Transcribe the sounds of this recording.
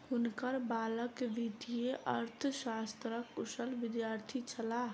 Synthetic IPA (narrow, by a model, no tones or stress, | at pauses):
hʊnkəɾbaːləkʋid̪ʱijeʔɐɾt̪ʰʃaːst̪ɾəkʊʃəlʋɪd̪jaːɾt̪ʰit͡ʃʰɐla